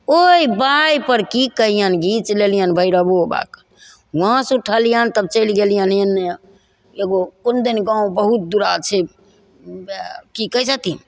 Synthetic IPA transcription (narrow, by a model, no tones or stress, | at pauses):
oibajpəɾkikəɦijənɡit͡ʃlelijənbʱəiɾəboba̰kə̥n | wəɦãsuʈʰəlijənt̪əb̚t͡ʃəjlɡelijənjən | eɡokond̪inɡãũbəɦut̪̚d̪uɾat͡ʃʰe | kikəɦsət̪in